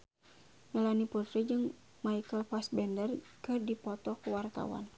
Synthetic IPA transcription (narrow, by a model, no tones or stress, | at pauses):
ɲəlaniput̪ɾid͡ʒɨŋ | maikəlfas̚bɛndərkɨrdipɔt̪ɔkuwart̪a̰wa̰n